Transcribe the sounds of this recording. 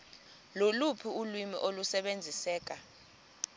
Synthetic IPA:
lolupʰiulwimḭʔolusɛɓend͡zʱisɛːk̬ʼa

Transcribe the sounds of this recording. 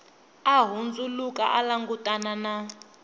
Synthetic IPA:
aɦund͡zulukʼa̰ʔalaŋɡutʼanana

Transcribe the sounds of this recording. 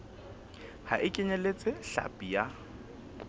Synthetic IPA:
ha̰ʔɪkʼɪɲɛlet͡sʼɪɬa̰pʼija

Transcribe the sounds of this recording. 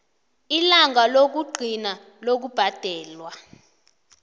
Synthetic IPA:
ilaŋalok̬uɡ͡ǃʱina | lok̬ub̥ʱad̥ʱɛːlwa

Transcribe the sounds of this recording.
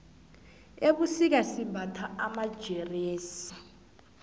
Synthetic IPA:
eɓusik̬asibʱatʰaʔamad̥ʒ̥ʱɛreːsi̥

